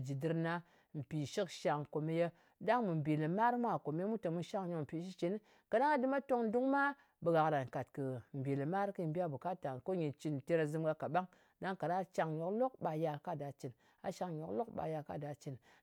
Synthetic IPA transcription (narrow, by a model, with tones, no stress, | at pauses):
d͡ʒi˨dɨ˧ɾna˦ | m̩˨pi˨ʃi˦kʃa˧ŋko˨me˦je˦ | da˦ŋmɨ˨m˨bi˨lɨ˨ma˦ɾmʷ˦a˦˨ko˨me˦e˦mu˦to˨mu˦ʃa˦ŋɲo˧km̩˨pi˨ʃi˦t͡ʃi˨˦n˦ | ka˨da˦ŋa˦dɨ˦ma˦to˦ŋ˦du˦ŋma˦ | bə˧ɡa˨kɾa˨n˨ka˨tkɨ˨m̩˨bi˨lɨ˨ma˦ɾkɨ˦˧m˦bʲi˦a˦bu˨ka˦ta˨n˨ko˦ɲi˨nt͡ʃi˧n˨te˧ɾa˧zɨ˧mɡa˧ka˨ɓa˦ŋ | da˦ŋka˨na˦t͡ʃa˧ŋɲo˨klo˦k̚ɓa˧ja˧ka˦˨da˨t͡ʃi˨n | a˨ʃa˧ŋɲo˨klo˦kɓa̰˧ja˧ka̰˦da˨t͡ʃi˨n